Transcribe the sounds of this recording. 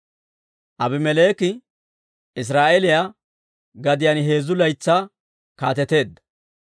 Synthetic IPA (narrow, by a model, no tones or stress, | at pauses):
ʔɐbɪmɛleːkɪ | ɪs̬ɾaːʔɛlɪja | ɡɐd̪ɪjanɦe̞ːzʊlɐjt͡sːa | kaːt̪ɛt̪e̞ːd̪ːɐ̥